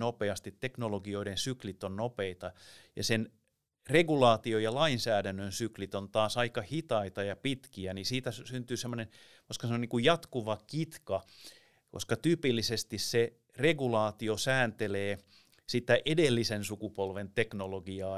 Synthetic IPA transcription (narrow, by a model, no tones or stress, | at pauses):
nopeɑst̪it̪teknoloɡioiɾensyklit̪ːonnopeit̪ɑjɑ̰sen | reɡulɑːt̪iojɑlɑinsæːɾænːønsyklit̪ont̪ɑːsɑikɑhit̪ɑit̪ɑjɑpit̪kiænisiːt̪æssynt̪yːsemːonen | ʋɑskɑseoniːŋkujjɑt̪kuʋɑkit̪kɑ | ko̰skɑt̪yːpilːisest̪isse | reɡulɑːt̪iosæːnt̪eleː | sit̪ːæʔedelːisensukupolʋent̪eknoloɡiɑː